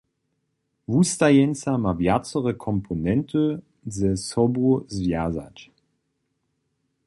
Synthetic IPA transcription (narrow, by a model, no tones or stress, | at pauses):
vust̪ajɛnt͡samavjat͡sɔʁəkʰɔmpʰonɛnt̪ʰə | zɛsɔbuzvjaza̰t͡ɕ